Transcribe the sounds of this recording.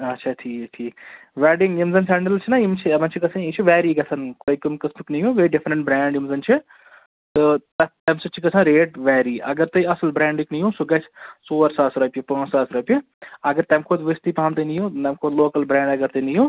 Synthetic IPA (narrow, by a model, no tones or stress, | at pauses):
ɐtːʃʰaːʈʰiːkʈʰiːk | ʋɛːɖiŋɡimzɐnsɛɳɖɾɐlt͡ʃʰinɐimt͡ʃʰiɐmɐnt͡ʃʰikɐsʰãit͡ʃʰiʋɛːɾiɡɐsʰɐnkoikumkɐstuknijũʋeɾiɖɪfʰɾɐɳʈ̚bɾɛːɳɖimzɐnt͡ʃʰi | t̪ɨt̪ɐt̪ɐmsɐt͡ʃʰikɐsʰãːɾeːʈʋɛːɾiːʔɐ̰ɡɐɾt̪ɐiɐslbɾɛ̃ːɳɖiknijũːsuɡɐt͡ʃʰsoːʋɐɾsaːsɾɐpjipɐ̃ːsaːsɾɐpi | ɐɡɐɾt̪ɐmkʰoːt̪ʋist̪iːpaːmt̪ɐnijũːnɐmkʰoːloːkɐlbɾɛ̃ːɳɖɐɡɐɾt̪ɐinijũː